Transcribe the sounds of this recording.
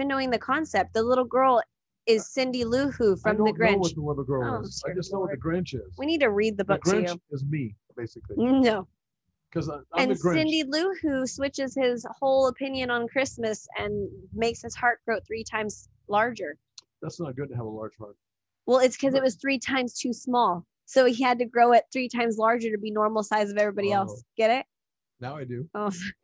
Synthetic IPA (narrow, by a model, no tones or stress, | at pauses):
ivɨ̃nːoʊɪ̃ŋðɨkʰɑ̃nsɛp̚t̪̚ðəlɪɾl̩ˠɡɜ˞lˠ | ɪz̥sɪ̃ndilʉhʉfɹʌ̃mðɨɡɹɛõʊwʌt̪̚ðəʌðəɡɜ˞lˠɪzaɪd͡ʒʌsnoʊwʌt̪̚ðɨɡɹɛ̃nt͡ʃɪzz̥winid̚tʰɨɹid̪̚ðɨbʊkɡɹ̃ʰnjʉt͡ʃɪzmib̥eɪsɨklinoʊ | kʰʌzɨ̃nɡɪ̃ndilʉhʉswɪt͡ʃɨz̥ɪz̥hoʊlˠəpʰɪ̃njɨ̃nə̃nkʰɹ̥ɪsmɨsɨ̰̃nmeɪkshɨz̥hɑɹt̚ɡ̥ɹoʊθɹitʰãɪ̃mz̥ | lɑɹd͡ʒə˞ | ðætsnət̚ɡ̥ʊd̚tɨəvəlɑ̰ɹd̥ʒ̥hɑ̰ɹt̚ | wɛlˠɨtskʰʌzɨt̚wʌz̥θɹitʰãɪ̃mz̥tʰʉsmɔlˠ | soʊiɨd̚tɨɡɹoʊɨt̪̚θɹitʰãɪ̃mzlɑɹd͡ʒə˞ɾɨbinɔɹml̩ˠsaɪzʌvɛvɹibɑɾiɛlˠsɡ̥ɛɾɪt̚ | naʊaɪdʉos